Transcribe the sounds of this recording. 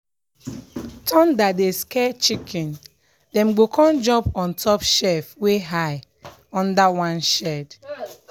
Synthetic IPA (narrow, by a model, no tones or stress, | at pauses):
tʰɔ̃ndadeskɛt͡ʃikʰɛ̃n | dɛ̃mɡokʰɔ̃nd͡ʒɔ̃pɔ̃ntʰɔpʃɛfweɦaɪ | ɔ̃ndawãnʃɛd